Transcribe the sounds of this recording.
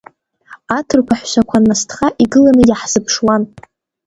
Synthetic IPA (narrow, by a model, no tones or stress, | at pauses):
atʰɨrkʷʰaħʷʃʷakʷʰanːastʰχaʔiɡɨlanɨjaħz̥ɨpʰʂwan